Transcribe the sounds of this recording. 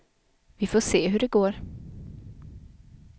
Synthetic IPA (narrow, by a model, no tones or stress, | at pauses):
vɪfoːʂeːɦɵɖɛɡoːɾ